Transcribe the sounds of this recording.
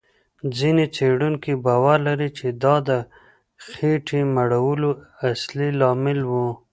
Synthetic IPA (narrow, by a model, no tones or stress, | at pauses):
d͡zinet͡seɽuŋkibɑwaɾlaɾit͡ʃed̪ɑd̪ə | xeʈʰimaɽawəloaslilɑmɪlwu